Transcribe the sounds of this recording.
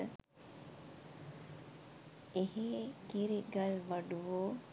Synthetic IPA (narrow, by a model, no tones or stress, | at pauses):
ə | eɦeːkiɾiɡɐlʋɐɖuʋoː